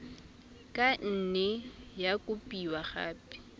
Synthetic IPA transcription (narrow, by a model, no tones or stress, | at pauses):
kʼan̩nɛjakʼʊpʼiwaχa̰ːpi̥